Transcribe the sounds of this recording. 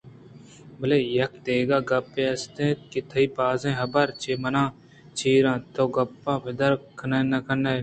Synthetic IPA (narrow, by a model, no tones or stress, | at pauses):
bɐleːjɐk̚d̪eːɡaːɡɐpːẽːɐst̪ẽːt̪̚kit̪ʰɐiːpaːzẽːɦɐbɐɾt͡ʃʰeːmɐnãː | t͡ʃʰiːɾãːt̪oːɡɐpːãːbɪd̪ɐɾkʰənẽːnɐkʰəneː